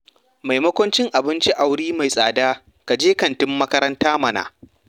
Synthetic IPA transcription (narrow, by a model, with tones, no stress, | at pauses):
ma˨jmɐ˦kʷʊ˦nt͡ʃɪ˦ŋʔa˨bɪ˦nt͡ʃi˦ʔa˨wɽiː˦ma˨jsʼaː˨daː˦ | ka˨d͡ʒeː˦kɐ˨ntɪ˦mːɐ˦kɐ˦ɾɐ˦ntaː˦mɐ˨na̰ː˨